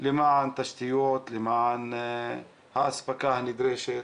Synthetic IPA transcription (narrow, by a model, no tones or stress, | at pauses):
limaʕnt̪aʃt̪ijot̪limaʕn | haʔasbakahnid̪ɾeʃe